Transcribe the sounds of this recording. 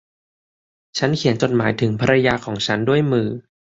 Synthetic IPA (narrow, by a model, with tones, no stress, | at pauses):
t͡ɕʰa˦˥nkʰi˨˩˦ənt͡ɕo˨˩t̪̚maː˩˦jt̪ʰɯ˩˦ŋpʰa˧ɾa˧jaː˧kʰɔː˩˦ŋt͡ɕʰa˦˥ndu˥˩əjmɯː˨˩